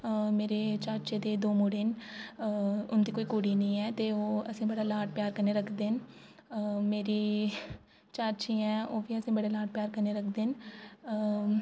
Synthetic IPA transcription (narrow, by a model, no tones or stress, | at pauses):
meːɾeːt͡ʃaːɾt͡ʃeːd̪eːd̪oːmuːɽeːn | ʊnd̪iːkoːiːkuːɽiːnĩːɛːt̪eːoːəsĩːbəɽaːlaːʈ̚pjaːɾkəɾneːɾəkʰd̪eːn | meːɾiː | t͡ʃaːɾt͡ʃiːɛ̃ːoːʋiːəsĩːbəɽeːlaːʈ̚pjaːɾkəɾneːɾəkʰd̪eːn